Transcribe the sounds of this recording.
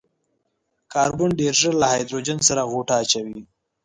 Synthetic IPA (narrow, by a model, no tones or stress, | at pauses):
kɑːɾbʊɳɖeɾʒəɾlahajd̪ɾod͡ʒansaɾaɣoʈaːt͡ʃawi